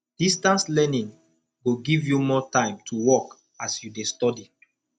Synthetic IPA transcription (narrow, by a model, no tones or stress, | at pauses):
d̥istãnslɛnĩŋ | ɡoɡivjumɔtãɪ̃mtʰuwɔk | asjudestɔdi